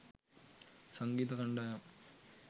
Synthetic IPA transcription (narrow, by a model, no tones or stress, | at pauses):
sɐŋɡiːt̪ɐkɐɳɖaːjam